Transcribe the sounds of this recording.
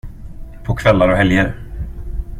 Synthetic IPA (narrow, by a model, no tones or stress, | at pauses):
pʰɔkʰvɛlːaɾɔɦɛljəɾ